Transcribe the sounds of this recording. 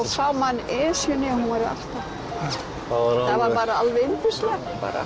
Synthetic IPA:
ɔsawmanːɛːsjʏnɪhunvaɾɾa̰ft̪a | θavaɾpaːɾaalvɛɪnt̪ɪst̪lɛpa̰ːɾa̰

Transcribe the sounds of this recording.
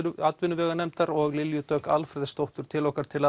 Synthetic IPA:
at̪vɪnʏvɛːɣanɛmt̪aɾɔɣlɪljʏt̪œːkalfɾɛðɪst̪owht̪ʏɾ̥t̪ʰɪlɔhkaɾ̥t̪ʰɪla

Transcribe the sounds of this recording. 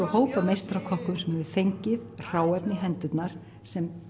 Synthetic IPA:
ɔhoːwpamejst̪ɾawkʰɔhkʏmsɛmhɛvʏ̥fejɲcɪðr̥aːwɛpnɪɦɛnt̪ʏt̪naɾ̥ | sɛm

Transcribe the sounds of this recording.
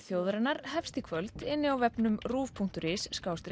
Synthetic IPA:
θjoːwðɾɛnaɾhɛfst̪ɪkʰvœlt̪ɪnːɪawvɛpnʏmruːvpʰuŋ̥t̪ʏɾɪsːkaːwst̪ɾ

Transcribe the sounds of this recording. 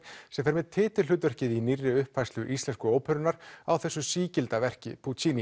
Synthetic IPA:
sɛmfɛɾmɛðt̪ʰɪːt̪ɪ̥l̥ʏːt̪vɛr̥cɪðinirːɪʏhpvajst̪ʏʔist̪lɛnskʏoːwpʰœɾʏnaɾ̥awθɛsːʏsiːcɪlt̪avɛr̥cɪ̰pʰut͡ɕini

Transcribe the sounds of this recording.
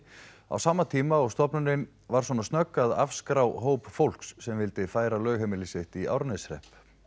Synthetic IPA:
a̰wsaːmːat̪ʰiːmaɔɣst̪ɔpnʏnɪn | vaɾ̥swɔnast̪nœkːaða̰fskɾawɦowpfowl̥ksːɛmvɪlt̪ɪfaːjɾalœːɥɣɦɛmɪlɪsɪht̪iʔa̰wɾnɪsɾɛ̰hp

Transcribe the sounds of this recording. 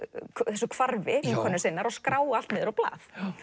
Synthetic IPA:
kʰθɛs̬ːʏkʰvaɾvɪikʰɔnːsɪjnːaɾawskɾaːwal̥t̪mɪːðɾawpla̰ːθ

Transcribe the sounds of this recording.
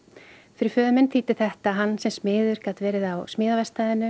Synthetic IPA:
fɪɾɪɾ̥fœːðʏmɪnt̪ʰiːt̪ɪθɛht̪aɦanːsɛmsmɪːðʏɾ̥kaːt̪vɛːɾɪðawsmɪːðavɛst̪aːðɪnʏ

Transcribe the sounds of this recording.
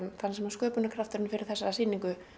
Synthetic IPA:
nθansɛmḁskœːpʏnakʰɾaft̪ʏɾʏnfɪɾɪɾ̥θɛsːasiːniŋkʏ

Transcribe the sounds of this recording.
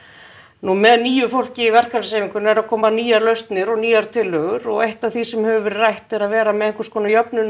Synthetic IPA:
numɛðniːjʏfowl̥cɪivɛr̥kaɾseːviŋkʏnɛɾaðkʰɔːmaniːjaɾlœɥst̪nɪɾɔɣniːjaɾ̥t̪ʰɪlːœːɣʏɾɔɣejht̪aθisɛmhɛvʏvɛɾrajht̪ɪɾaðvɛːɾamɛðeŋkʏɾskʰɔːnajɔpnʏn

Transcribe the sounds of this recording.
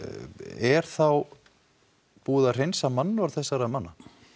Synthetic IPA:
ɛɾ̥θaw | puːðar̥ejnsamanːʏaɾθɛsːaɾamanːa

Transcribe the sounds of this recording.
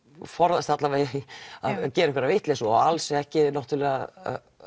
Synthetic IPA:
fɔɾðast̪hat̪lavejaðcɛːɾɛkvɾavɪht̪lesɔalsɛɛhcɪnɔht̪ʏlɛːɣaa̰

